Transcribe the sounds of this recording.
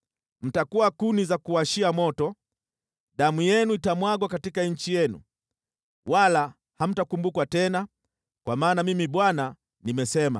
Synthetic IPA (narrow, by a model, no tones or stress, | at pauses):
m̩takuwakunizakuaʃiamɔtɔ | ɗamujɛnuitamwaɡwakatikaɲ̩t͡ʃijɛnṵ | wʔala | ham̩takumbukwatɛna | kwamaːnamimiɓwana | nimɛsɛma̰